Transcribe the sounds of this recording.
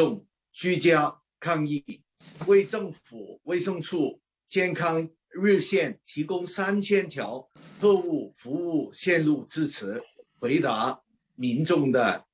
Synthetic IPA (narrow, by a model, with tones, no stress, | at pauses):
ʊ˥˩ŋ | t͡ɕy˥t͡ɕja˥ | kʰɑ˥˧ŋi˥˩ | we˥˩ɪʈ͡ʂɤ˥˩ŋfu˨˩we˥˩ɪʂɤ˥˧ŋʈ͡ʂʰu˥˩ | t͡ɕjɛ˥˩nkʰɑ˥ŋ | ɻ̩˥˧ɕjɛ˥˩nt̪ʰi˧˥kʊ˥ŋsa˥nt͡ɕʰjɛ˥nt̪ʰjɑ˧˥ʊ | kʰɤ˥˧u˥˩fu˧˥u˥˩ɕjɛ˥˧nlu˥˩t͡sɹ̩˥˧t͡sʰɹ̩˧˥xwe˧˥ɪt̪a˧˥ | mi˧˥nʈ͡ʂʊ˥˩ŋd̪ə̰˩